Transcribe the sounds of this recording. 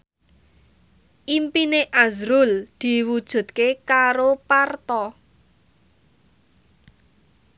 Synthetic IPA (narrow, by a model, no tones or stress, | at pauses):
ʔimpineʔazɾʊld̪̥i̤wud̥ʒ̥ṳt̪̚kekaɾopart̪ɔ